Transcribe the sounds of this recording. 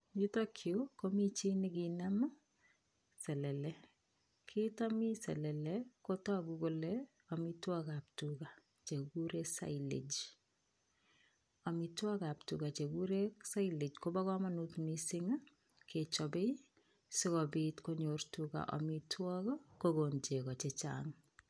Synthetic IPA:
jitɔkʰjokomit͡ʃinikinam | sɛlɛlɛ | kʰitɔmisɛ̰lɛlɛkotɔɡukolɛ | ɔmitwɔkaptuka | t͡ʃekuɾesa̰ilḛd͡ʒ | ɔmitwɔkaptukat͡ʃekuɾeksailed͡ʒkobakɔmanutmisɪŋ | kʰet͡ʃɔbej | sɪkɔbitkoɲortuka̰ʔɔ̰mitwɔkɔkoɡont͡ʃekɔt͡ʃet͡ʃa̰ŋ

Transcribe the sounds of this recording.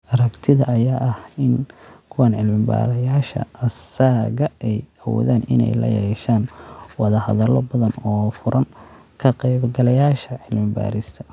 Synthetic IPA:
ʔɐrɐbt̪ʰɪðɐːjaːʔɐhɪnkʰʊwanʕɪlmɪmba̰ːɾɐjaːʃɐ̰ɐsaːɣɐɛjɐwɔ̰ːðaːnʔɪ̰nɛ̰jlɐ̰jɛːʃaːnwɑðɐhɐðɐlɔbɐðɐnɔːfʊɾʔɐŋkʰɐqɛːbɡɐlɐjaːʃɐʕɪlmɪba̰ːɾɪst̪ʰɐ̥

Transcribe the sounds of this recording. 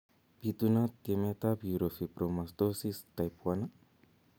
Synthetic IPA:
bit̪unat̪iemet̪abjuɾofipɾomasd̪osist̪ajpuana

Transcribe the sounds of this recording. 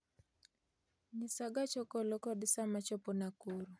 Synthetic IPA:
ɲɪsaɡat͡ʃɔkɔlɔkɔdɪsamat͡ʃɔpɔnakoɾu

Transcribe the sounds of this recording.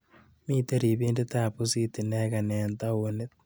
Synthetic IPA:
miːt̪eɾiβiːndet̪aːpusit̪ineːɣanent̪aonet

